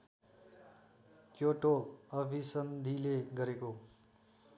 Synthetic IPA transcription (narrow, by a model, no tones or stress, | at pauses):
kjoʈoʌbʱisʌnd̪ʱileɡʌɾeko